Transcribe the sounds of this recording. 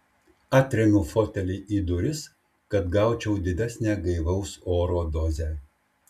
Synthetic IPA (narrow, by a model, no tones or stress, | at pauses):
ɑːt̪ʲɾʲɛmʲuːfot̪ʲɛlʲɪʔiːd̪ʊɾʲɪs | kɐt̪ɡɑˑʊt͡ʃʲɛʊd̪ʲɪd̪ʲæsʲnʲæːɡɐɪʋɐʊsoːɾoːd̪oːzʲɛː